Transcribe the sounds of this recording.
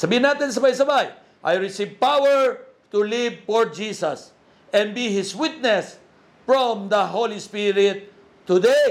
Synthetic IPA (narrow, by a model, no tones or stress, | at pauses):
sabinat̪ɛ̃ns̬əbajsabaj | ʔa̰jɹisivpawəɹt̪ulivfɔɹd͡ʒisəs | ɛ̃nbihiswit̪̚nɛs | fɹɔ̃md̪əɦolispiɹit̪̚ | t̪ːude